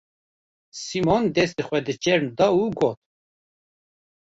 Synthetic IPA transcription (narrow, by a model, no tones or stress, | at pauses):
simond̪ɛst̪əχʷwɛd̪ət͡ʃʼɛɾmd̪ɑuɡot̪̚